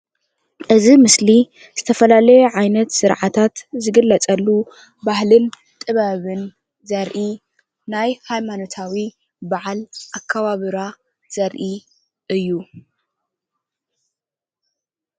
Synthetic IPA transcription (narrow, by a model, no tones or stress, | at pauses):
ʔɨzimɨsli | zɨt̪ʰɐfɐlalɐjoʕajnɐt̪sɨɾʕat̪ʰat̪zɨɡɨlːɐt͡sʼɐlːu | bahlɨn | t̪ʼɨβaβɨn | zɐɾʔi | najhajmano̞t̪ʰawi | baʕalʔakʰːaβaβɨɾa | z̥ɐɾʔi | ʔɨjːu